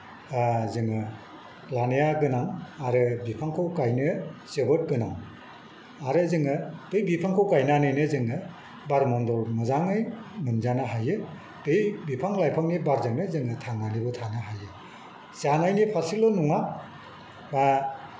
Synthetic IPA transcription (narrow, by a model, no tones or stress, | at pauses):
zɯŋɯ | lanijaɡɯnaŋaɾɯbipʰaŋkʰɯwkajnɯsebɯt̚ɡɯnaŋ | aɾɯzɯŋɯtɯjbipʰaŋkʰowkajnanɯjnɯzɯŋɯ | baɾmɔndɔlmɯzaŋɯjmɯnzanaɦajɯ | tɯjbipʰaŋlajpʰaŋnibaɾzɯŋnɯzɯŋɯtʰaŋanibɯtʰanɯɦajɯ | sanajnipʰasilɔnuŋa | a